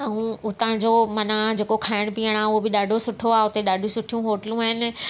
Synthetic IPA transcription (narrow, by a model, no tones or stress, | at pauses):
ɐũʊt̪ãd͡ʑomɐnad͡ʑeːkokʰaːɪɽ̃piːəɽ̃aːʊɦobɪɗaːɖʱosʊʈʰoaːʊt̪eɗaːɖʱũsʊʈʰijũɦoːʈəlũaːɦɪnɪ̆